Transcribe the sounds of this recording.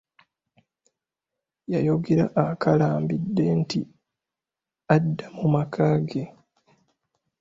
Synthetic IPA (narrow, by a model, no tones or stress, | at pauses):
jajo̞ɡeɾaʔːkʰalaːmbidːe̞nti | adːamumakʰaːɡe